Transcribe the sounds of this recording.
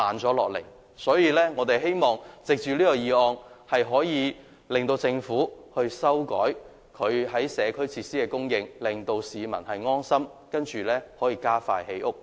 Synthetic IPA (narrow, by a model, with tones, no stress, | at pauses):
aː˨nt͡sɔː˨˥lɔ̰ː˨k̚lɪ̰˨˩ | sɔː˨˥jiː˨˧lɛː˥ŋɔː˨˧t̪e˨jɦe˥jmɔː˨ŋt͡sɪ˨k̚t͡ʃyː˨liː˥kɔ˧jiː˨˧ɔː˧ŋhɐ˨jɦɔː˨˥jiː˨˧ | lɪ˨˩ŋt̪o˧wt͡sɪ˧ŋfuː˨˥hɵ˧ɥsɐ˥wkɔ̰ː˨˥j | kʰɵ˨˧ɥhɐ˨˥jsɛː˨˧kʰɵ˥ɥt͡sʰi˧t̚siː˥kɛ˧kʊ˥ŋjɪ˧ŋlɪ˨ŋt̪o˧wsiː˨mɐ˨˩nhɐ˨jŋɔː˥nsɐ˥mkɐ˥nt͡ʃyː˨lɛː˥hɔː˨˥jiː˧kaː˥fa̰ː˧jhe˨˥jʔʊ˥k̚